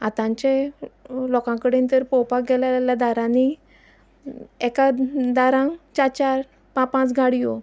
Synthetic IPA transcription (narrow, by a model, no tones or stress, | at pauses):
at̪ãɲt͡ɕe | lɔkãkəɽẽnt̪əɾpɔwpakɡɛlaljad̪aɾãni | ɛkad̪aɾãŋt͡ɕaɾt͡ɕaɾ | pãpãt͡sɡʱaɽijo